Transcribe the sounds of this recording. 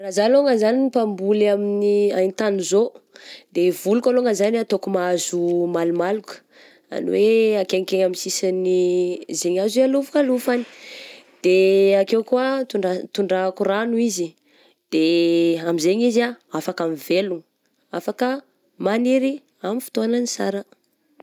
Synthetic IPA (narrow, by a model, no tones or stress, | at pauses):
razaloŋəzaniipambulaminia̰jnt̪anuzod̪evulukʲaloŋəzanat̪okumaazumalumalukə̥ | a̰nḭweakeŋkeɲamisisanizeɲazaluvukalufani̥ | d̪̥eakewkuat̪uɳɖ͡ʐat̪uɳɖ͡ʐaakuranuizi | d̪̥eamizeɲizaafakamiveluŋ | afakə | maniɾi | amifi̥t̪oananisa̰ɾə